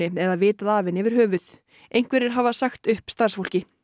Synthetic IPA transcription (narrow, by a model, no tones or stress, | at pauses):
ɪɛðaðvɪːt̪aðaːvɪnɪvɪɾ̥ɦœːvʏθ | ejŋ̥kvɛɾɪɾ̥ɦavasaxt̪ʏhpst̪aɾ̥sfowl̥cɪ